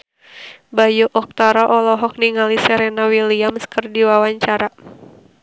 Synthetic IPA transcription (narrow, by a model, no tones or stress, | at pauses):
bajuʔɔk̚t̪aɾaʔɔlɔɦɔk̚niŋalisɛɾɛnawiliamskərdiwawaɲt͡ʃaɾa